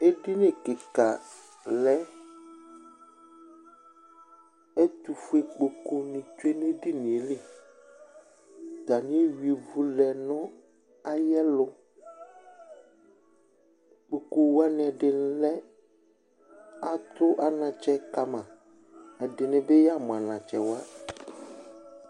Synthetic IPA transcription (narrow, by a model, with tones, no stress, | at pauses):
e˦dɪ˦nɪ̃˨kɪ˨ka˨ | lɛ˨˦ | ɛ˦tu˨fu˦e˨k͡po˨ko˦nɪ̃˨tu˦e˦n˦e˦dɪ˦nɪ̃˨e˨˦lɪ˦ | ta˨nɪ˦e˦wi˨vu˨lɛ˨nʊ̃˦ | a˦jɛ˦lʊ˦ | k͡po˨ko˨wa˦nɪ˨ɛ˨dɪ˨n˨˦lɛ˦ | a˦t̪ʊ˦ʔa˦nã˨t͡ʃɛ˦ka˨mã˨ | ɛ˨dɪ˨nɪ̃˨bɪ˦ja˦˨mʊ̃˨a˨nã˨t͡ʃɛ˨wa˦